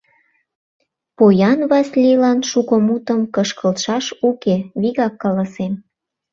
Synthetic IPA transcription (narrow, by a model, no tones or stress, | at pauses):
pojɑnβɑsʲlʲilɑnʃukomut̪ə̆mkəʃkəlt̪ʃɑʃukeβiɣɑkːɑlɑsem